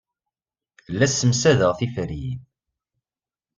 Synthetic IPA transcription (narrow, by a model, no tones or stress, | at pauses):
lːæsːəmsæðəʁθifɾi